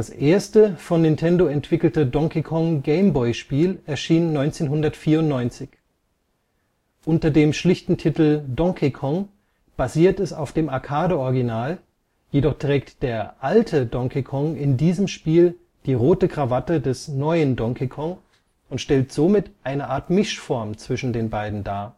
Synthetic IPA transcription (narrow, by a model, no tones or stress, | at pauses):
d̥asʔeːɐstəfɔnːɪntʰɛndoɛntv̥ɪkl̩tədɔŋkikʰɔŋɡeɪmbɔʏʃpiːlʔɛɐʃiːnːɔʏnt͡seːnɦʊndɐtfiːɐʊntnɔʏnt͡sɪç | ʔʊntɐdeːmʃlɪçtn̩tʰɪtl̩dɔŋkʰikʰɔŋ | b̥aziːɐtɛsaʊfd̥eːmaɐkʰaːdəʔɔɐɡinaːl | jedɔχtʁ̥ɛːk̚td̥eːɐʔaltʰədɔŋkʰikʰɔŋɪndiːzəmʃpiːl | d̥iːʁoːtəɡʁ̥avatədɛsnɔʏəndɔŋkikʰɔŋ | ʊntʃtɛltz̥oːmɪtʔaɪnəʔaːɐtmɪʃfɔɐmt͡sv̥ɪʃn̩deːnbaɪdn̩daːɐ